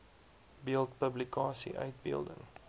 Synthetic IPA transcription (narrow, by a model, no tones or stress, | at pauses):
biəlˠtpəblikɑːsḭʔœɥt̚bḭəlˠdə̰ŋ